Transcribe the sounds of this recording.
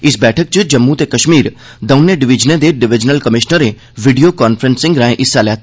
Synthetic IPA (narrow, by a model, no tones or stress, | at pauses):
ɪsbɛːʈʰək̚t͡ʃəd͡ʒəmːut̪eːkəʃmiːɾ | d̪əʊnːẽːɖɪʋɪd͡ʒnẽːd̪eːɖɪʋɪd͡ʒnəlkəmɪʃnəɾe | ʋɪɖijoːkaːnpʰəɾənsɪ̃ŋɡɾãːẽʔɪsːaːlɛːt̪ː